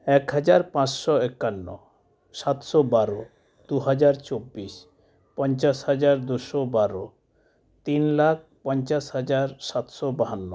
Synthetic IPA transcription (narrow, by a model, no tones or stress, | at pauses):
ɛkɦad͡ʑaɾpãt͡ɕʃɔekːanːo̰ | ʃat̪ʃɔbaɾo | d̪̥uɦad͡ʑaɾt͡ɕobːiʃ | pɔnt͡ɕaʃhad͡ʑaɾd̪uʃɔbaɾo | t̪inlak̚ʰpɔnt͡ɕaʃɦad͡ʑaɾʃat̪ʃɔbaɦanːo